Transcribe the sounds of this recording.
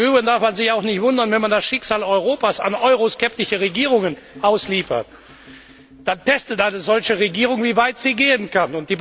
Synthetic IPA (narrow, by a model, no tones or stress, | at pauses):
yːbɪndaɐfmanzɪçaʊxnɪçtv̥ʊndɐnvɛnmandasʃɪkz̥aːlɔʏʁoːpaːsa̰nʔɔʏʁoskɛp̚tɪʃəʁeɡiːʁʊŋən | ʔaʊsliːfɐ̰t̚ | d̥antʰɛstətʔaɪnəzɔlçəʁeɡiːʁʊŋviːvaɪtz̥iːɡeːənkanʊnt̚d̥iːb